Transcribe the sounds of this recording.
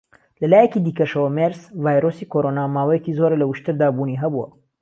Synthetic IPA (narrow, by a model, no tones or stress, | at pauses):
lɐlaːjɛkiːd̪iːkɐʃɐwɐmeɾzvaːjɾosiːkʰoɾoːnaːmaːwɐjɛkiːzoɾelɐwuʃt̪ɨɾd̪aːbuːniːɦɐbuwɐ̰